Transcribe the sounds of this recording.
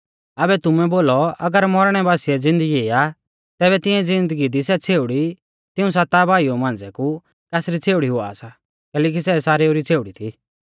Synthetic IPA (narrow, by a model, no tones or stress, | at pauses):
abɛt̪ʊmɛ̃boːlɔɐɡəɾmɔɾɽ̃ɛbaːsiɛd͡zɪ̃nd̪əɡieːa | t̪ɛːβɛt̪ɪ̃ɛ̃d͡zɪ̃nd̪əɡid̪isɛt͡sʰeːʊɽi | t̪ɪũs̬at̪abʱaːiomãːnd͡zɛku | kɛːsɾit͡sʰeːʊɽiɦʊa̰sa | kɛːlɛːk̬isɛsaːɾeuɾit͡sʰeːʊɽit̪ʰi